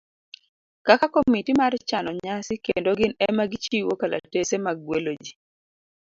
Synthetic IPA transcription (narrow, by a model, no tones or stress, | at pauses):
kakakomitimart͡ʃanɔɲasɪkḛndoɡɪnɛmaɡɪt͡ʃiwokala̰tesemaɡwelod͡ʒi